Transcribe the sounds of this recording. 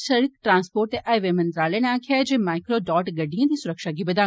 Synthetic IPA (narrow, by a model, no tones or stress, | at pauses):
sɐɾikʈɾãːnspoːɾʈeʔaːʋemɐ̃nt̪ɾaːlenẽaːkʰjad͡ʒẽːmaːɪkɾoɖɔːʈɡɐɖiẽt̪isʊɾəkʃaɡibɐd̪aː